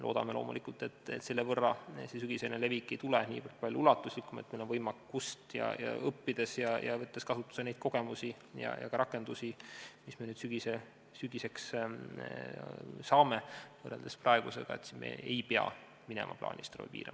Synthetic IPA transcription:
elo̞ːd̪ɑmelo̞ːmulikult̪e̞t̪ːˑet̪selːevɤrːɑses̬yɡ̥isenele̞vikˑːejt̪uleniːpɑ̥pɑlʲjuulɑt̪ːˑuslikːumet̪mejlovɤjmɑ | ust̪jɑ̰jɑ̰ɤpːid̪̥e̞sjɑjɑ̰vɤt̪ːe̞skɑsut̪ːˑu̥sene̞jd̪̥ko̞ɡ̥e̞musi | jɑ̰jɑ̰kɑɾɑkːˑe̞nd̪usimismenyːd̪̥syɡ̥ise | syɡ̥ise̞ks | sɑːme̥ɤreld̪̥esprɑe̞ɡ̥usḛɡ̥ɑ̰e̞̰t̪sinmḛejpeɑ̰ | minɛ̰mʔɑ̰plɑ̰ːnʲʔist̪ro̰vḛpḭːɾḛm

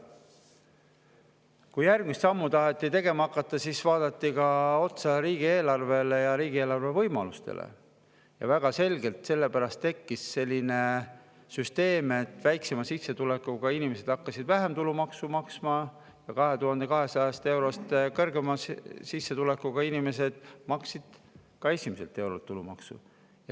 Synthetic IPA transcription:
kujjærɡ̥mist̪sɑmːut̪ɑɦet̪ːˑit̪e̞ɡ̥e̞mɑɑkˑːɑt̪ːˑɑsisvɑːd̪̥ɑt̪ːikɑo̞t̪sɑɾiːɡ̥ie̞ːlɑrve̞lejɑɾiːɡ̥ie̞ːlɑrve̞vɤ̞jmɑlust̪e̞̰lḛ | jɑ̰væɡ̥ɑse̞lʲɡe̞lt̪se̞lːe̞pæɾɑst̪ːe̞kːisːe̞lʲːine̞ | syst̪e̞ːme̞t̪ːˑvæjkse̞mɑsisːet̪ule̞kːˑuɡ̥ɑinime̞se̞d̪̥ɑkːɑsid̪væɦe̞mt̪ulumɑksumɑksmɑ | jɑkɑɦe̞t̪uɦɑnd̪̥e̞kɑɦe̞sɑjɑst̪e̞wɾo̞st̪kɤrɡemɑssisːe̞t̪ule̞kːˑuɡ̥ɑinime̞se̞d̪̥mɑksid̪̥kɑe̞sʲimese̞lt̪ːˑe̞wɾo̞lt̪ːulumɑ̰ksṵ | jɑ

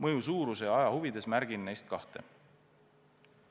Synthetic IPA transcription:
mɤjusuːɾusejɑɑjɑhuvid̪e̞smæɾɡ̥inːejst̪̚kɑht̪e̞̰

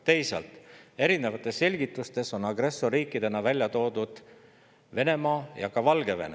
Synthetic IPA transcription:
t̪e̞jsɑ̰lt̪ˑe̞ɾine̞vɑt̪ːˑe̞sːe̞lʲɡit̪ːˑust̪e̞so̞nɑɡre̞sːoriːkːid̪e̞nɑvælʲjɑt̪o̞ːd̪ud̪̥ | ve̞ne̞mɑːjɑkɑvɑlɡ̥e̞ve̞̰ne

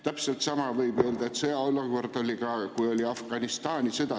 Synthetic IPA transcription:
t̪æpselt̪sɑmɑvɤjbø̞ːld̪ɑet̪seɑolːuko̞rd̪̥o̞lʲikɑkujo̞lʲiɑfɡ̥ɑnist̪ɑːnʲised̪ɑ

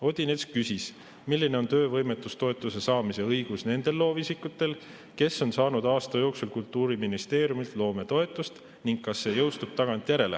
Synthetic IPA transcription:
o̞d̪̥ʲineskkysis | milːine̞o̞nt̪ø̞ːvɤ̞jme̞t̪ːˑust̪o̞e̞t̪ːˑuse̞sɑːmise̞ɤjɡ̥usne̞nd̪̥e̞lːo̞ːvisikːˑut̪ːˑe̞l | ke̞sːo̞nsɑːnud̪̥ɑːst̪ɑjo̞ːksulkult̪ːˑuːɾiminist̪e̞ːɾjumilt̪lo̞ːme̞t̪o̞e̞t̪ˑːust̪ | niŋɡ̚kːɑsːe̞ːjɤwst̪ub̥̚t̪ɑɡ̥ɑnt̪ʲˑjæɾe̞lḛ

